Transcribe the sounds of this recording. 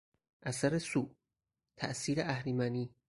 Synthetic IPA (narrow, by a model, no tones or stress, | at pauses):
ʔæsæɾesuːʔ | t̪ʰæ̰ʔsiːɾeʔæhɾimæniː